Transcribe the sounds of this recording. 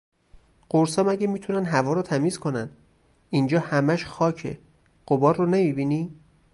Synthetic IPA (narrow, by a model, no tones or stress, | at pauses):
ɢ̥oɾsɒːmæɟemiːt̪ʰunænɦævɒːɾɔt̪ʰæmiːzkʰo̞nænd̪ | ind͡ʒɒːhæmæʃxɒːcʰḛ | ɢ̥obɒːɾːonemiːbini